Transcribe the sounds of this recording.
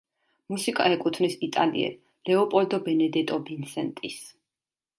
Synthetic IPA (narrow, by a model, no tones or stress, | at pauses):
musikʼa̰ɛkʼut̪ʰnisit̪ʼalḭɛ̰ | lɛɔpʼɔld̪ɔbɛnɛd̪ɛt̪ʼɔbinsɛnt̪ʼis